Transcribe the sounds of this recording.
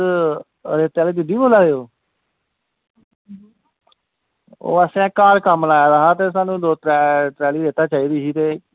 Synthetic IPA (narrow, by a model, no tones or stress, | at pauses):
ɾeːt̪ɛːlːd̪ɪd̪iːboːlaːɾeoː | o̰ːəsɛ̃ːkaːɾkəmlaːjaːd̪aːɦaːt̪eːs̬aːnũːd̪oːt̪ːʈɾɛːliːd̪eːt̪aːt͡ʃaːiːd̪iːɦiːt̪eː